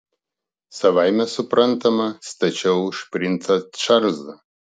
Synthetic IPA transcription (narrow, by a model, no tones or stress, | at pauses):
sɐʋajmʲɛsʊpɾʔɐnt̪ɐmɐst̪ɐt͡ʃʲɛwʃpʲɾʲɪnt̪ɐtʂɐɾzɐ